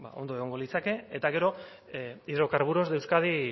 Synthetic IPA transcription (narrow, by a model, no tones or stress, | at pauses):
ba̰o̞nd̪o̞e̞ɣ̞o̞ŋɡo̞lit͡sake̞et̪aɣe̞ɾo̞ | iðɾo̞kaɾβuɾo̞zd̪e̞wskaði